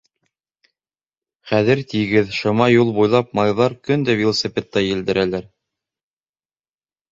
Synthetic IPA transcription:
χæðɘɾt̪iɡɘðʃɤ̆mɑjulˠbujlˠɑpmɑjðɑɾkɵnd̪ævʲelˠosʲepʲet̪ːɑjɘ̆ld̪ɘ̆ɾʔælæɾ

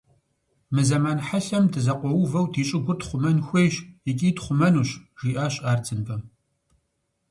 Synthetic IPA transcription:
mɨzɐmaːnħaɬɐmdɨzɐqʷɔwʊvɐwdʰiːɕʼɪɡʷʊrtχʷʊmɐnxʷejɕjɪkʲʼiːtχʷʊmɐnuːɕʒ̥iːʔaːɕʼaːrt͡sʰɨnfɐ

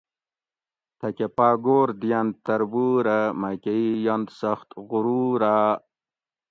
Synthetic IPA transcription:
t̪ʰɐkepaːɡoːɾd̪ijand̪̚t̪ɐɾbuɾamakeijand̪sɐxt̪ɣʊɾuːɾaː

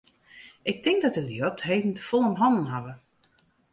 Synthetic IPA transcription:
ʔɪk̚tɪŋk̚dɔt̚dəljop̚tɦejvn̩təfɔlˠəmɦɔnn̩ɦavə

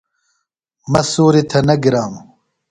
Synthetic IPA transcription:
mɐsoːɾet̪ʰɐnɐɡiɾaːm

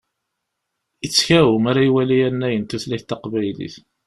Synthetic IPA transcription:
ət͡sːçæwumaɾaiwælijænːæjənt̪uθlæçt̪ːɑqvæjlḭθ

